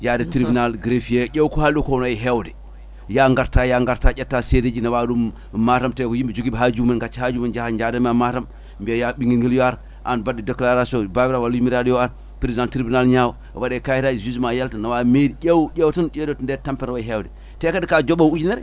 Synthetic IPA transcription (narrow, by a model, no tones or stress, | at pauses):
d͡ʒadetɾibinalɡɾefijeɟʲewkohaldokonajiɦewde | jaŋɡaɾtajaŋɡaɾtaɟʲetːaseded͡ʒinawadum | matamtekojimbid͡ʒuɡibɦad͡ʒumanɡat͡ʃːhad͡ʒumand͡ʒahad͡ʒadamamatam | mbiejaɓiŋɡiŋɡiljoaɾ | ʔa̰nbadideklaɾasobabɾawalimiɾadjoaɾ | pɾizãntɾibinalɲaw̰wadekajitazizmajaltanawamediɟewɟewtind͡ʒʲedondetampɛnawaɦewdi | tekadikad͡ʒoɓawud͡ʒineɾ